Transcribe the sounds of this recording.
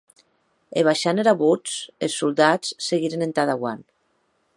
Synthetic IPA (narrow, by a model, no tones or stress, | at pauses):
ḛβ̞aʃaneɾaβut͡selˠsːulˠd̪at͡sseɣiɾenent̪aðaɣwan